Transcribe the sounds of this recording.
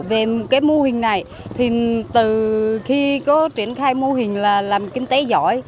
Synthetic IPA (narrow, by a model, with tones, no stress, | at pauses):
ve˨˩mo˨˩t̚kaː˨˦jmo˧hï˨˩ŋ̟na˨˩j | t̪ʰi˨˩t̪ɨ˨˩xi˧kɔ˨˦t͡ɕi˧˩˨ənxaː˧jmo˧ɦï˨˩ŋ̟laː˨˩laː˨˩mkï˧ŋ̟t̪e˨˦zɔ̰˧˩˨j